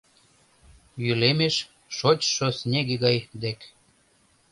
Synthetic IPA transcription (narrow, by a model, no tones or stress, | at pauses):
jylemeʃ | ʃot͡ɕʃosnʲeɣeɣɑjd̪ek